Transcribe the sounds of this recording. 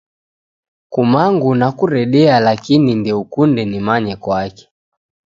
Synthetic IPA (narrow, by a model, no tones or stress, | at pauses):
kumaŋɡunakuɾɛɗɛalakinindiukundɛnimaɲɛkwakɛ̥